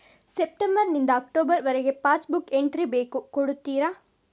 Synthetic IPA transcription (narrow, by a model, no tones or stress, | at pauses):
sep̚ʈembɐɾnind̪ɐːk̚ʈoːbɐɾʋɐɾeɡe̞paːsbukeɳʈɾibeːkukoɽut̪ːiːɾa